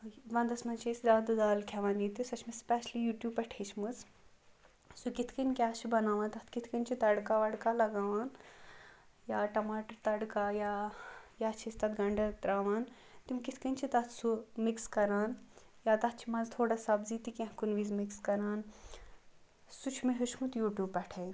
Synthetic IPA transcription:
ʋɐ̃nd̪ɐsmɐnt͡ʃʰisɾaːd̪ɨd̪aːlkʰɛʋaːniːt̪isɐt͡ʃʰmɐspɛːʃlijuːʈjuːbɐʈʰeːt͡ʃʰmɨs | sukit̪ʰkɐnkʲaːt͡ʃʰibɐnaːʋãːnt̪ɐt̪ʰkit̪ʰkɐnt͡ʃʰit̪ɐɽkaʋɐɽkaːlɐɡaːʋaːn | jaːʈɐmaːʈəɾt̪ɐɽkaːjaːjaːt͡ʃʰist̪ɐt̪ɡɐɳɖɐt̪ɾaːʋaːn | t̪imkit̪ʰkɐnt͡ʃʰit̪ɐt̪ʰsumikskɐɾaːn | jaːt̪ɐt̪t͡ʃʰimɐzt̪ʰoːɽasɐbziːt̪ikʲɐ̃ɦkunʋiːzmɪkskɐɾaːn | sut͡ʃʰmeɦut͡ʃʰmut̪juːʈjuːbpːɛʈʰeːn

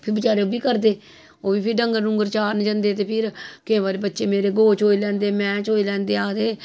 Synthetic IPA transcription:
pʰɪɾbət͡ʃaːɾeoːbiːkəɾd̪eː | oːbiːpʰɪɾɖəŋɡəɾnũːɡəɾt͡ʃaːɾnd͡ʒə̃nd̪eːt̪eːpʰɪɾkɪẽːbaːɾeːbət̪ːʃeːmeːɾeːɡoːt͡ʃɦoːiːlɛ̃ːnd̪eːmɛ̃ːt͡ʃɦoːilɛ̃ːnd̪eːaːd̪eː

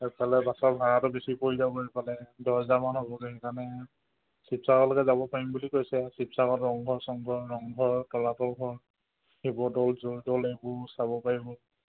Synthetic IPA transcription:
ɛpalɛbasɔɹbʱaɹatɔbesipoɹizabɔɛpalɛdɔɹzamanɦobɔɡɛɛkaɹnɛ | sipsakɔlɔkɛzabɔpaɹimbulikojsɛsipsakɔtɹɔŋɡʱɔɹsɔŋɡʱɔɹɔŋɡʱɔɹtɔlatɔɡɔɹ | ebɔdɔlzodɔlejbʊsabɔpaɹibɔ

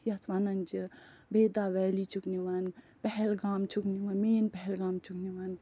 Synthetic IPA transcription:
jɐt̪ʰʋanɐnd͡ʒibʱeːd̪aʋɛːlit͡ʃʰukniʋan | pɛɦɛlɡaːmt͡ʃʰukniʋanmeːnpɛɦɛlɡaːmt͡ʃʰukniʋan

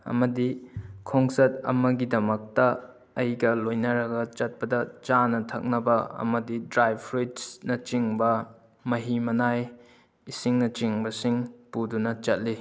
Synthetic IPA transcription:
ɐ̰mɐdikʰoŋsɐt̚ɐ̰mɐɡidɐmɐk̚tɐ | ɐjɡɐlojnɐɾɐɡɐt͡ʃɐt̚pɐdɐt͡ʃanɐtʰɐk̚nɐbɐɐ̰mɐdidɾajbʰɾitnɐt͡ʃiŋbɐ | mɐɦimɐnaj | isiŋnɐt͡ʃiŋbɐsiŋpudunɐt͡ʃɐt̚li

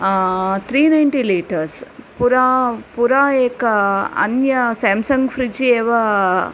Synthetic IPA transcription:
t̪ʰɾiːnɐjɳʈiːliːʈɐɾspuɾaːpuɾaːeːkɐɐ̰njɐsaːmsɐŋɡfɾid͡ʒieːʋa

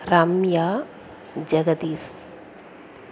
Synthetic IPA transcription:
ɾamjaː | d͡ʒɐɡɐd̪iːs

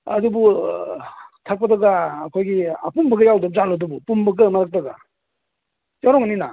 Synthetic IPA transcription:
a̰dubu | tʰak̚pɐdaɡaːkʰɔjɡia̰pumbɯɡɯjawdɯp̚zalɔdubupumbɯɡɯmaɾak̚daɡa | jaɾɔŋanina̰

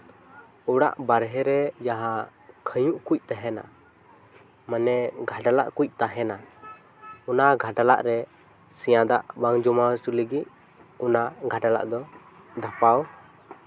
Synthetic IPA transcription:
uɽa̰ʔbaɾɦɛɾɛd͡ʒaɦãkʰəjũʔkuc̚ˀt̪aɦɛna̰ | manɛɡʱaɖala̰ʔkuc̚ˀt̪aɦɛna | ɔnaɡʱaɖala̰ʔɾɛ | sɛjãd̪aʔbaŋd͡ʒɔmasuləɡit̪̚ | unaɡʱaɖala̰ʔd̪ɔ | d̪apaw

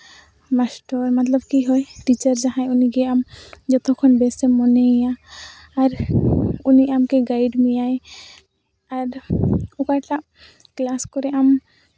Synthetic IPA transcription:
masʈɔɾmat̪lɔbkiɦɔjʈit͡ʃəɾd͡ʒaɦãjuniɡɛamd͡ʒɔt̪ʰɔkʰɔnbɛsɛmɔnejaː | ɾ | uniʔamkɛɡajɖmijaj | aɾukaʈaʔ | klaskɔɾɛʔam

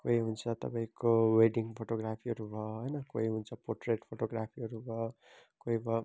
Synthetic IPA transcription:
koiɦunt͡sʰʌt̪ʌ̰pãĩkoweɖiŋpʰoʈoɡrapʰiɦʌɾubʱʌɦʌjnʌkoiɦunt͡sʰʌporʈreʈpʰoʈoɡrapʰiʌɾubʱʌ | koibʱʌ

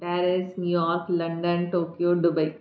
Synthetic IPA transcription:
pæːɾɪsnjujɔːɾklɐɳɖənʈoːkjoːɖʊbɐɪ

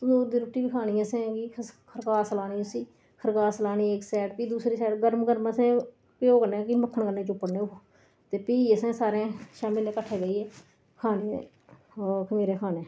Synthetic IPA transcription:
t̪ʊoːd̪iːɾʊʈːiːbiːkʰaːniːasẽɡiːkʰəɾkaːsəlaːniːʊsiː | kʰəɾkaːsəlaːniːeːksɛːʈpiːd̪uːsɾiːsɛːʈɡəɾmɡəɾməsẽː | pːoːkənẽːkiːməkʰːəɳkənẽːt͡ʃʊpːəɽnẽː | t̪eːpiːəsẽːsaːɾẽːʃaːmɪleːkəʈʰːeːɡəiːeː | kʰaːnḛː | kʰəmiːɾẽːkʰaːnẽː

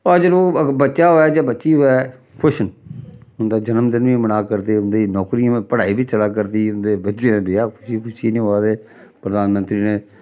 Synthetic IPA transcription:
əd͡ʒəloːbətːʃaːɦoːɛːd͡ʒaːbətːʃiːɦoːɛː | kʰʊʃnʊnd̪aːd͡ʒənəmd̪ənʋĩːmənaːkəɾd̪eːʊnd̪iːnɔːkɾiãpəɽaːiːbiːt͡ʃəlaːk̬əɾd̪iːʊnd̪eːbətːʃẽleːaːkʰʊʃiːkʰʊʃiːnĩːɦoaːd̪eː | pɾəd̪aːnmə̃nt̪ɾiːneː

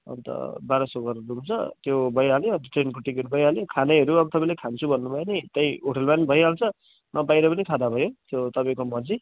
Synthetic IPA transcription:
ʌ̰nt̪ʌ̰baɾʌsoɡʌrrumt͡sʰʌ̰t̪jobʌjaljot̪ʌʈrenkoʈikeʈɾubʌjaljokʰanʌɦʌɾuʌbʌt̪ʌpaĩlekʰant͡sʰubʱʌnːubʱʌjenit̪ʌj̃oʈʰʌlmanbʱʌjalt͡sʰʌ | nʌbajɾʌpʌnikʰad̪abʱʌjot̪jot̪ʌpaj̃komʌd͡zi

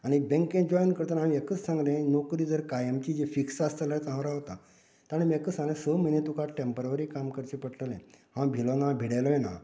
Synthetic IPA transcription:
aɽ̃ibẽŋkẽd͡ʑɔjnkəɾt̪ənamiekət͡ssãŋɡlẽnokɾiːd͡zəɾkajemt͡ɕid͡ʑefiksast̪əlat͡sãʋɾaɦot̪a | t̪ɽ̃imiekət͡ssãŋɡlẽsəmənẽt̪ukaʈempəɾʋəɾikamkəɾt͡ɕipəɽʈəlḛ̃hãbʱilonabʱiɽajlɔjna̰

